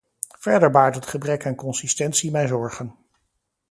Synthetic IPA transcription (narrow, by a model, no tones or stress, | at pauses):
v̥ɛɹdəɹbaːɹtɦətχəbrɛkankɔnsistɛntsimɛjzɔɹχən